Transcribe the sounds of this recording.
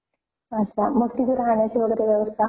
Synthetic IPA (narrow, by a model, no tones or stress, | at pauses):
əst̪aməɡ̚t̪iɡ̪əɾɦaɳjat͡ɕiʋəɡəɾeʋjəʋəst̪ʰa